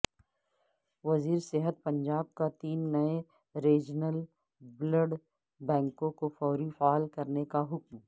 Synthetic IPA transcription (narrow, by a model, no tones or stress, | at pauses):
ʋɐziːɾseːɦət̪̚pɐ̃ɲd͡ʒaːb̚kat̪iːnːɐe | ɾeːd͡ʒnəl | bləɖ | bɛ̃ːŋkõkofɔːɾifaːlkɐɾnekaɦʊkm